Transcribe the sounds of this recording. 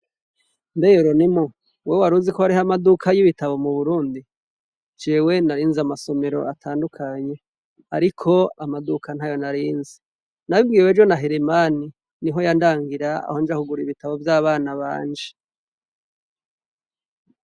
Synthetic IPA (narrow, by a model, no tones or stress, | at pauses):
ndejoɾo̞nimo | wewaɾuzikohaɾihamadukʰajiβitaβo̞muβuɾuːndi | d͡ʒeːwe̞naɾiːnzamaso̞me̞ɾo̞ʔatʰaːndukʰaɲe̞ | a̰ɾikʰo̞amadukʰan̥hajo̞naɾiːnzi | naβibɡiːwed͡ʒo̞naɦeɾemani | niɦo̞jandaːŋɡiɾaa̰ho̞nd͡ʒahuɡuɾiβitaβo̞vjaːβaːnaβa̰ːɲd͡ʒe